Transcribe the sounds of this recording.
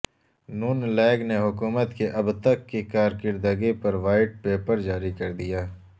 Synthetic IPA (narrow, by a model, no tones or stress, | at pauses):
nuːnlɛːɡneɦʊkuːmət̪keʔɐbt̪əkːekaːɾkɪɾd̪əɡepɐɾʋaːɪʈ̚peːpəɾd͡ʒaːɾikɐɾd̪ijaː